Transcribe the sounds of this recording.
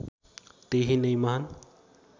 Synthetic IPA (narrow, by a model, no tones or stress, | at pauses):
t̪eɦinɐjmaɦan